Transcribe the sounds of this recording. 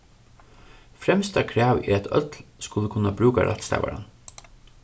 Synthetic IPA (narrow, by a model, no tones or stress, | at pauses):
fɾɛmst̪ɑkʰɾæːʋḭːɛt̪ʰœt̪lskʊləkʰʉnɑbɾʉːkɑɾʔɑt̪st̪æ̰ːʋa̰ɾɑ̰n